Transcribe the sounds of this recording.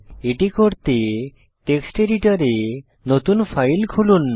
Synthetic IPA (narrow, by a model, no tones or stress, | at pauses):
eʈikoɾt̪e | ʈeksʈeɾiʈaɾe | not̪unpʰajlkʰulun